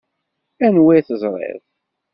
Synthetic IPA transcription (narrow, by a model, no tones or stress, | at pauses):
ænwiθəzˤɾˤḛðˤ